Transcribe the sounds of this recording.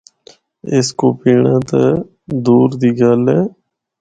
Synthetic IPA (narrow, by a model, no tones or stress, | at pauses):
ɪskoːpiːɳãːt̪ə | d̪uːɾd̪iːɡəlɛː